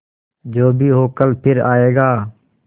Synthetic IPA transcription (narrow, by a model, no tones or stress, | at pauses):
d͡ʒoːbʱiːɦoːkəlpʰɪɾaːeːɡaː